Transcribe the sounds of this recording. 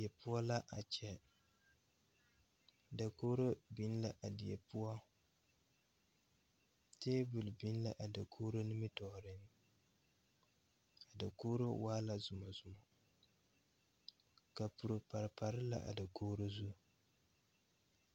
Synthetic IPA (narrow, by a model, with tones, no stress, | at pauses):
ɛ˨pʊ˦ɔ˦la˦ʔa˨t͡ʃɛ˨ | da˨koː˦ɾo˦bi˦n˦la˦ʔa˨di˨ɛ˨pʊ˦ɔ˦ | teː˦bʊ˨lbi˦n˦la˦ʔa˨da˨kʰoː˦ɾo˦nɪ˦mɪ˦tɔː˨ɾɪ˦n | a˨da˨koː˦ɾo˦waː˦la˦zʊ˨ma˨zʊ˨ma˨ | ka˨pu˨ɾo˨pa˨ɾpa˨ɾɪ˦la̰˦ʔa̰˨da˨koː˦ɾo˦zu˦